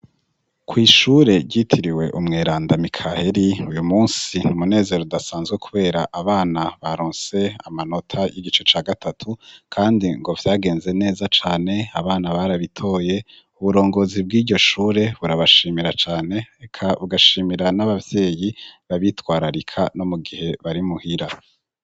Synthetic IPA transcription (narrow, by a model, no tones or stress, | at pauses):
kʰwiːʃuɾe̞ɟitʰiɾiwe̞̰ʔumŋeːɾaːndamikʰahe̞ɾiujumuːnsin̥imune̞ːze̞ɾodasaːnzɡwekʰuβe̞ːɾaʔaβaːnaβaɾoːnse̞amano̞tʰaʔiɟit͡ʃe̞t͡ʃaːɡatʰatʰukʰaːndiŋɡo̞vjaːɡe̞ːnze̞ne̞ːzat͡ʃaːne̞aβaːnaβaɾaβitʰo̞ːje̞ | uβuɾo̞ːŋɡo̞zib̚ɡiːɟo̞ʃuːɾe̞βuɾaβaʃiːmiɾat͡ʃaːne̞ekʰaβuɡaʃiːmiɾanaβavje̞ːjiβaβitwaːɾaɾikʰa̰no̞muɡihe̞βaɾimuhiɾa